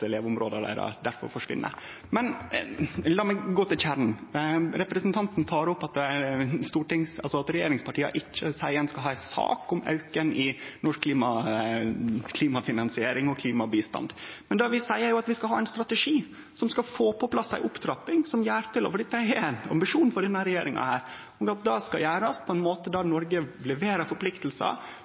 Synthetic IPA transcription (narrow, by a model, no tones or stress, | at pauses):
t̪leːʋʊmɾoːd̪əɖæ̰ɾɔ̰d̪æɾfɔ̰ɾfɔʂʋɪ̰nːʔə̰ | mɛn | lɑːmɛɡoːt̪ɪlçæɾɳnɾɛpɾɛsnt̪ʰɑnt̪n̩t̪ʰɑːɾʊpːɑt̪st̪uːʈɪŋsɑ̰lsɔɑt̪ɾɛjeːɾɪŋspʰɑʈʰiːə̰ʔɪt͡ʃːəsæɪənskɑlɦɑːæɪsɑ̰ːkʊmɑ̰ʉkənɪnɔʂkʰːliːmɑ | kʰliːmɑfɪnɑnsɪeːɾɪŋɔkʰliːmɑbiːst̪ɑ̰nd̪mɛnd̪ɑʋɪsæɪəɾjʊɑt̪ʋɪskɑlɦɑːɛɪnst̪ɾɑt̪ɛʂiː | sɔmskɑfoːpʰɔpʰlɑsːæ̰ɪʔʊpt̪ʰɾɑpːɪŋsɔmjæːɾt̪ʰɪlɔ̰fɔɖid̪ɛæɪnɑ̰mbɪʂuːnfɔɖɛnːɑɾɛjeːɾɪŋɑ̰hæːɾ | ɔɡɑt̪̚d̪ɑskɑ̰jæːɾɑspʰɔɛnmoːt̪əd̪ɑnɔɾɡəlɛʋeːɾəɾfɔɾpʰlɪkt̪əl̩sə̰